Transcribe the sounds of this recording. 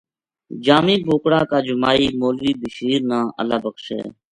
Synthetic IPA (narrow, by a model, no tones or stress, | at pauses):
d͡ʒaːmĩːboːkɽãːkaːd͡ʒʊmaːiːmoːlʋiːbɪʃiːɾnãːʔə̰laːbəkʰʃḛː